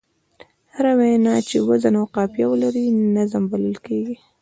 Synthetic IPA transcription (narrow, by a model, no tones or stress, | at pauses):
haɾawejnɑt͡ʃewazanawqɑpjawəlaɾinazambaləlkeɡi